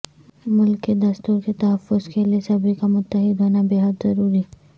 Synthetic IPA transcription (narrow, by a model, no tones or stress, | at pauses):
mʊlkːed̪ɐst̪uːɾket̪ɐɦəfːʊzkeliesɐbʱikamʊt̪ːəɦɪd̪ɦoːnabeɦəd̪zɐɾuːɾi